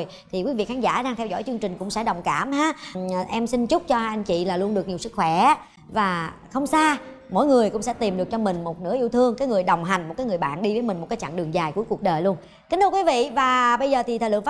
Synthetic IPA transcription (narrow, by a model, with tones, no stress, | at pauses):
j | t̪ʰi˨˩kwi˨˦vḭ˧˨xaː˨˦nza̰ː˧˥ɗaː˧ŋt̪ʰɛ˧wzɔ̰˧˥jt͡ɕɨ˧əŋt͡ɕï˨˩ŋ̟kʊ̰˧˥ŋ͡msɛ̰˧˥ɗə˨˩wŋ͡mkaː˧˩mhaː˨˧˥ʔɛ˧msi˧nt͡ɕʊ˦˥k͡p̚t͡ɕɔ˧ha˧ʔa˧jŋ̟t͡ɕḭ˧˨laː˨˩lu˧ənɗɨ˨˩ək̚ɲi˨˩əwsɨ˦˥k̚xwɛ˧˩ | vaː˨˩ | xə˧wŋ͡msaː˧ | mo̰˧˥˦jŋɨ˨˩əjkʊ̰˧˥ŋ͡msɛ̰˧˥t̪i˨˩mɗɨ˨˩ək̚t͡ɕɔ˧mï˨˩ŋ̟mo˨˩t̚nɨ̰˧˥əʔi˧wt̪ʰɨ˧əŋkaː˨˦jŋɨ˨˩əjɗə˨˩wŋ͡mɦa˨˩jŋ̟mo˨˩kaː˨˦jŋɨ˨˩əjɓa̰ː˧˨nɗi˧vəː˨˦jmï̟˨˩mo˨˩t̚kaː˨˦jt͡ɕa̰˧˨ŋɗɨ˨˩əŋzaː˨˩jku˧˩˦jku˨˩ək̚ɗəː˨˩jlu˧ən | kï˨˦ŋʰ˧kwi˨˦vḭ˧˨vaː˨˩ɓə˧jzəː˨˩t̪ʰi˨˩t̪ʰəː˨˩lɨ̰˧˨ə˦f